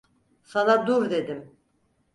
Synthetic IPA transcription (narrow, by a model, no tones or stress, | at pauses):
sanad̪uɾd̪e̞d̪im